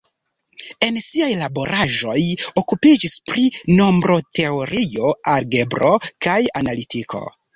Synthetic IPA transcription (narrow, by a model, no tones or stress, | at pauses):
e̞nsiajlabo̞ɾʔaʒo̞jo̞kupid͡ʒispɾino̞mbɾʔo̞te̞o̞ɾio̞aɾɡe̞bɾo̞kajanalitikʰo̞̰